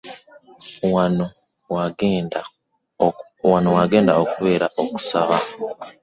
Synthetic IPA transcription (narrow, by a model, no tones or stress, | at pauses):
wano | wan | wanowaɡe̞ːndaokuβe̞ːɾaʔo̞ku̥saβa̰